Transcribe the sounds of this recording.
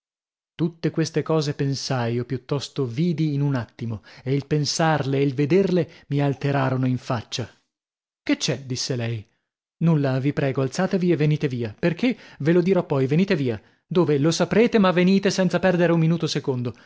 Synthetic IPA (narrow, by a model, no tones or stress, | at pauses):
t̪ut̪ːekwest̪ekɔːzepensajopjut̪ːɔst̪oviːd̪iːnunat̪ːimoeilpensarleilved̪erlemialt̪eɾaːɾonoiɱfat͡ʃːa | ket͡ʃːɛd̪isːelɛj | nulːavipɾɛːɡoalt̪saːt̪evievːeniːt̪eviːaperk̟evelod̪iɾɔpːɔjveniːt̪eviːa | d̪oːvelosapɾeːt̪emavːeniːt̪esɛnt̪sapɛrd̪eɾeumːinuːt̪osekond̪o